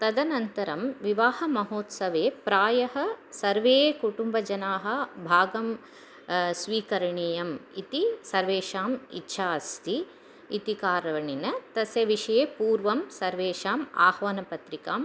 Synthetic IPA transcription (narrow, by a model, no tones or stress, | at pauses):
t̪ɐd̪ɐnɐnt̪ɐɾɐmʋiʋaːhɐmɐɦoːt̪sɐʋeːpɾaːjɐɦɐ̆sɐɾʋeːkuʈumbɐd͡ʒɐnaːɦɐ̆bʱaːɡɐm | sʋiːkɐɾɐɳeːjɐmit̪isɐɾʋeːʃaːmḭtːʃʰaːst̪ʰi | it̪ikaːɾɐʋɐɳinɐt̪ɐsjɐʋiʂɐjeːpuːɾʋɐmsɐɾʋeːʃaːma̰ːhʋɐnɐpɐt̪ɾikaːm